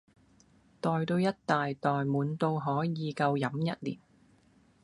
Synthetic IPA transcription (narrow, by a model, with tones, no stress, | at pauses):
t̪ɔː˨jt̪o˧wjɐ˥t̚t̪aː˨jt̪ɔː˨jmuː˨˥nt̪o˧wɦɔː˨˥jiː˨˧kɐ˧wjɐ˨˥mjɐ˥t̚lḭː˨˩n